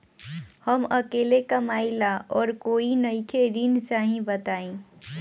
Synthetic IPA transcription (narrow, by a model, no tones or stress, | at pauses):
həməkeːlekəmaːilaʔɔːɾkoːinəɪkʰeɾint͡ʃaːɦĩbət̪aːẽ